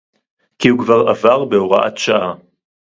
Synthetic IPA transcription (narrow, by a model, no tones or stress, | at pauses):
kihukvaʁavaʁbeoʁaʔa̰t̪ʃaʔa